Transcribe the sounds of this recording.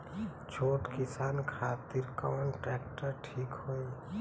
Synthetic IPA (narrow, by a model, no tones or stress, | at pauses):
t͡ʃʰoːʈkɪsaːnkʰaːt̪iɾkɔːnʈɾɛk̚ʈəɾʈʰiːkɦoi